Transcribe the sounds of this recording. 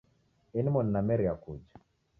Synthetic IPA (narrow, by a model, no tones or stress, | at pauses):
ɛnimɔnnamɛɾiakud͡ʒa